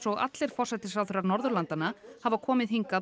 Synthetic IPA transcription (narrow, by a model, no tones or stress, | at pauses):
sɔɣa̰t̪lɛɾ̥fɔr̥sɛt̪ɪsawθɛɾaɾnɔɾðʏɾlant̪anahavakʰɔːmɪðɦiŋka